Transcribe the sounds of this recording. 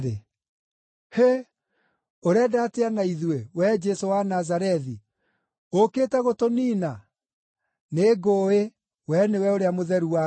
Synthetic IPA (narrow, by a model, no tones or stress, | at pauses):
e | he | oɾɛdateanaiðwewɛd͡ʒɛsowanazaɾɛði | okeːtɛɣotoniːna | neɡoːe | wɛnewɛoɾeamoðɛɾua